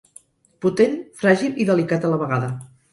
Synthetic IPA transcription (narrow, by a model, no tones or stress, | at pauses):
put̪enfɾaʒilˠiðəlikat̪ələβ̞əɣaðə